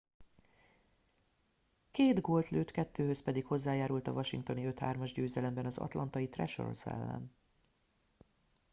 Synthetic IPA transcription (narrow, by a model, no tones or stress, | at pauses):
keːd̪ɡoːlt̪løːt̪kɛt̪ːøːhøspɛd̪ikho̞zːaːjaːɾult̪ɒvɒʃiŋkt̪o̞niø̞t̪ha̰ːrmɒʒɟøːzɛlɛmbɛnɒzɒ̰t̪lʔɒnt̪ɒjit̪rɛ̰ʃo̰rsɛ̰lːɛ̰n